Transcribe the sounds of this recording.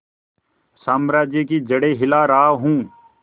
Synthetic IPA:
saːmɾaːd͡ʒjəkid͡ʒəɽeːɦɪlaːɾaːɦũː

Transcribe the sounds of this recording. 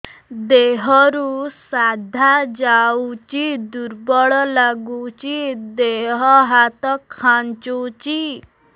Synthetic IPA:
d̪eɦɔɾusad̪ʱad͡ʒawt͡ʃid̪uɾbɔɭɔlaɡut͡ʃid̪eɦɔɦat̪ɔkʰːant͡ʃut͡ʃi

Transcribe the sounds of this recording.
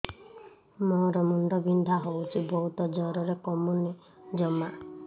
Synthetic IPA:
mɔɾɔmuɳɖɔbind̪ʱaɦowt͡ʃʰibʱɔɦut̪ɔd͡ʒɔɾɔɾekɔmuni | d͡ʒɔma

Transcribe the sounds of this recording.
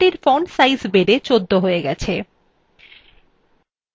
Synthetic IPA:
ʈiɾfonsajzbeɖet͡ɕod̪ʱːoɦoeɡɛt͡ɕʰe

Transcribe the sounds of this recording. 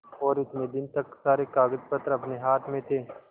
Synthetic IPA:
ɔːɾɪt̪nẽd̪ɪnt̪ɐkːsaːɾekaːɡəd͡ʒpət̪ɾɐpneɦaːt̪ʰmẽt̪ʰeː

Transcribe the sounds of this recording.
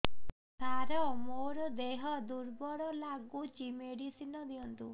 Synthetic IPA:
t̪ʰaɾɔmoɾɔd̪eɦɔd̪uɾbɔɽɔlaɡut͡ʃimeɽisinɔd̪iɔnt̪u

